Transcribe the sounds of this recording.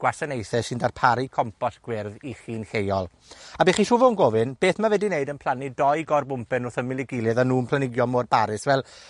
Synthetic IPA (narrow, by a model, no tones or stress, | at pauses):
ɡ̥wasanejθɛsɪndarpʰaɾikʰɔmpʰɔɬɡ̥wɪrðiχiːnɬejɔlˠ | abiːχiːʃuvɔnɡovɨnb̥eːθmavɛdineɨdənpʰl̥ˠanidɔɨɡɔrbʊmpɛnʊrθəmɪlˠɪɡɪlˠjɛðanuːmpʰl̥ˠanɪɡjɔmoːd̚baɾɪsvɛlˠ